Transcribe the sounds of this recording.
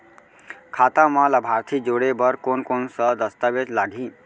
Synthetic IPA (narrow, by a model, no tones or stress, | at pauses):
kʰaːt̪amãlabʱaːɾt̪ʰiːd͡ʒoɽebəɾkonkonsəd̪əst̪aʋed͡ʒlaːɡʱĩː